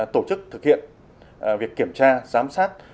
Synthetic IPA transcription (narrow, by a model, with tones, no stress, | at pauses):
t̪o˧˩t͡ɕɨ˦˥k̚t̪ʰɨ˨˩k̚hḭ˧˨ən | vi˨˩əkːi˧˩əmt͡ɕaː˧zaː˨˦msaː˦˥t̚